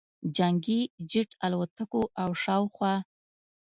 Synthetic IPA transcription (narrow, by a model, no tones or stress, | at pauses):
d͡ʒaŋɡid͡ʒɪʈalwat̪akoʔawʃɑwxwɑ